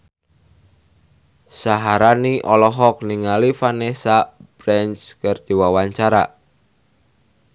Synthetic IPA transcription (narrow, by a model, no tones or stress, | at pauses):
saɦaɾaniʔɔlɔɦɔk̚niŋalifanesab̥ɾɛnskərd̥e̤wawaɲt͡ʃaɾa̰